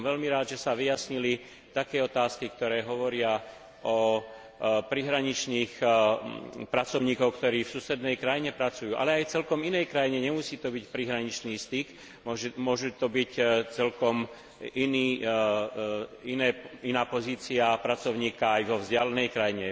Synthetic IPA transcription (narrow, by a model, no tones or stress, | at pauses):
mʋɛʎmiɾaːd̪ʒɛsaʋijasɲili | t̪akɛːɔt̪aːskikt̪ɔɾɛːɦɔʋɔɾɪa | ʔɔ | pɾiɦɾaɲit͡ʃniːx | pɾat͡sɔʊɲiːkɔʊkt̪ɔɾiːfsuːsɛd̪nɛjkɾajiɲɛpɾat͡sujuːʔa̰lɛajt͡sɛlkɔminɛjkɾajiɲɛɲɛmusiːt̪ɔbicpɾiɦɾaɲit͡ʃniːst̪ik | mɔʒmʊɔʒut̪ɔbict͡sɛlkɔm | iniː | inɛːinaːpɔziːt͡siapɾat͡sɔʊɲiːkaːjʋɔvzɟɪalɛnɛjkɾajiɲɛ